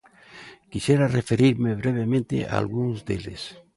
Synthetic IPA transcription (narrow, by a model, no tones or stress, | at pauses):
kisje̞ɾarefe̞ɾiɾme̞β̞ɾe̞β̞e̞mẽnt̪ḛʔa̰alɣunozd̪ele̞̰s